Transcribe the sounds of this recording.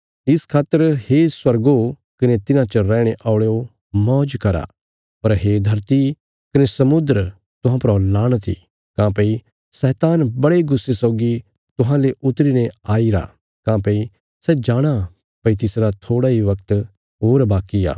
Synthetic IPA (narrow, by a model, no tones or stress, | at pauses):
ɪskʰaːt̪ːəɾheswɐɾɡo | kɐnet̪ɪnãt͡ʃəɾɛ̃ːɽ̃eʔaːʊɭeo | mɔːd͡ʒkɐɾa̰ | pɐɾɦeːd̪ʱɐɾt̪i | kɐnesɐmʊd̪ɾ | t̪ʊɦãpɾalaːɽ̃t̪ʰḭ | kãːpɐi | sɛːt̪aːnbɐɽeɡʊsːesɔːɡi | t̪ʊɦãleʔʊt̪ɾinɛ̃aːiɾa̰ | kãːpɐi | sɛd͡ʒaːɽ̃a | pɐit̪ɪsɾat̪ʰoːɽaɦiʋɐkt̪ | ɦoːɾbaːkija̰ː